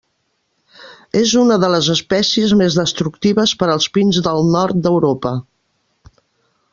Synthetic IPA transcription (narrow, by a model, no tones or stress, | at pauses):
ezunəðələzəspɛsiəzmezðəst̪ɾuk̚t̪iβəspəɾəlˠspinzðəlˠnɔɾt̪̚d̪əwɾopə